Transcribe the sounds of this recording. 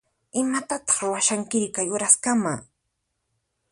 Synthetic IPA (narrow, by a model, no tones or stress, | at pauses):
ɪmat̪at̪ɑ̥χɾʊwaʃaŋkɪɾkajʊɾaskama